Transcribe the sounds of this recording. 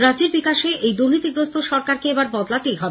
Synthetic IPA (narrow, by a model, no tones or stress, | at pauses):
ɾad͡ʑeɾbikaʃeʔejd̪uɾnit̪iɡɾost̪oʃɔɾkaɾkeebaɾbɔd̪lat̪ejɦɔbe